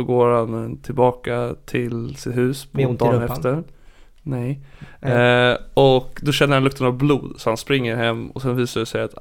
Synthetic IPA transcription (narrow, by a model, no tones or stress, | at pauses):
ɔɡoːɾhant̪ʰɪlbɑːkat̪ʰɪlsɪt̪ɦʉ̟ːspʰd̪ɑːnɛft̪əɾ | nɛj | ɔkd̪ɔɕɛnəɾhanlɵk̚t̪ənavbluːd̪sɔhanspɾɪŋːəɾɦɛmːɔ̰sɛnviːsaɖɛsɛjat̪